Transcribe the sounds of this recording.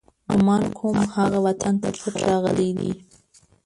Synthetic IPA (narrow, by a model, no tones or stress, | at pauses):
nʊmɑnkʰʊmhaɣawat̪ʰant̪apət̪ɾɑɣə̰lid̪ḭ